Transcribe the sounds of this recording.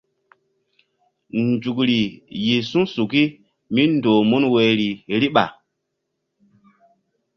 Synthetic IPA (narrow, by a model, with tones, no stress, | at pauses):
n˨d͡ʒu˨kɾi˨ji˨sũ˦su˨ki˦ | mi˦ndo˨mu˦nwe˨ɾi˨ɾi˦ɓa̰˨